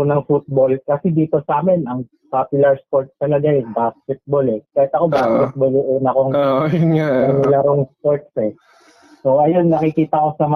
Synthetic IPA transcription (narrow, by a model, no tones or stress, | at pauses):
onɐŋfut̪̚bo̞lkɐsɛd̪iːt̪o̞sɐʔaːmɛnɐŋ | papjʊlɐɹspo̞ɹt̪̚st̪ɐlɐɡaʔɪsbaːskɛt̪̚bolɛkaːhɪt̪ɐko̞baːskɛt̪̚bolʊʔuːnɐkoŋʔjnaɐnɪlɐɾoŋspo̞ɹt̪̚sɛ | so̞ʔɐjonːɐkɪkiːt̪ɐko̞sɐmɐ